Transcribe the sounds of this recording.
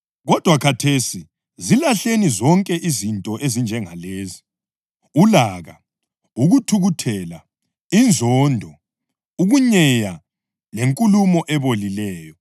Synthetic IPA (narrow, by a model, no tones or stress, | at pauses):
ɣɔd̥ʱwakʰatʰesi | zilaɬenizɔŋkʼɛʔizintʼɔʔezind͡ʒʱɛŋaleːzi | ulaɣa | uɣutʰuɣutʰɛla | ind͡zʱɔndʱɔ | uɣuɲɛja | leŋkʼulumɔʔɛβolilɛːjɔ